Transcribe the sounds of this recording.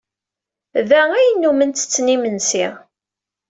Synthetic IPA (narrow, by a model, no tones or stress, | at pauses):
ðææjənːumənt̪ə̥t͡sːnimənsɪʁ